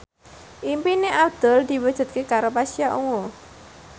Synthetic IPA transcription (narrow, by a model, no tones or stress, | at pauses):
ʔimpineʔad̪̥ɔ̤ld̪̥i̤wəd̥ʒ̥ṳt̪̚kekaɾopasiaʔuŋo